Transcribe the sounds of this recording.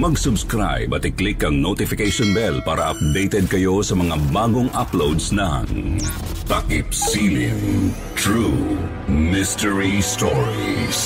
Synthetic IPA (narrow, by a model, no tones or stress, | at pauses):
mɐɡsʊbskɾa̰jbɐt̪ɪklɪkɐŋnot̪ɪfɪkejʃɔnbɛlpaːɾɐʔɐ̰p̚d̪ejt̪ɛd̪̚kɐjo̞sɐmɐŋabaːɡoŋʔaplowd̪snɐ̰ŋ | t̪ɐkɪpsilɪŋ | t̪ɹu | mɪstɛɹist̪ɔɹis